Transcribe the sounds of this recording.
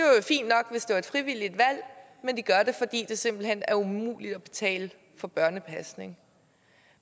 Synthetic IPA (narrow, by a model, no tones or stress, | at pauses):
ofḭːnd̥nɒ̽ɡ̥ʋe̝sd̥eæɐed̥fʁiʋil̰id̥ʋæl̰ | mend̥iɡ̥ɶɐɾe̝fɒ̽d̥ḭːd̥e̝se̝mb̥l̩hen̰æɐumṵːlid̥ɒ̽b̥e̝̥t͡sʰɛ̰ːl | fɒ̽b̥ɶɐnəpʰæsne̝ŋ